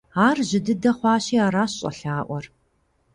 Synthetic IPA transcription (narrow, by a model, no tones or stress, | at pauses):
aːrʑɪdɨdɐχʷɑːɕiːaːɾaːɕɕʼɐ̰ɬaːʔʷɔr